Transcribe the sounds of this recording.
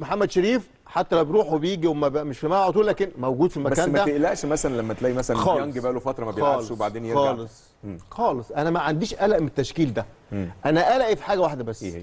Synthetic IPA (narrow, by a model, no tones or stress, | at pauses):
moħamːæd̪ʃeɾiːf | ħat̪ːælæwbeɾuːħwebejiːɡiwemæbæmeʃfimæʕot̪uːlæːkenmæwɡuːd̪fimæbækænːmææeʔlæʔʃmæsælænlæmːæt̪læːʔimæsælænxɑːæŋɡebæːlofɑt̪ɾˤɑmæbejɑːleʃwbaʕd̪eːnjxɑlesˤ | xɑːlesˤʔænæmæʕand̪iːʃʔælæʔmet̪ːæʃkiːld̪æ | ʔænæʔælæʔifi̥ħaːɡæwaħd̪æbæsː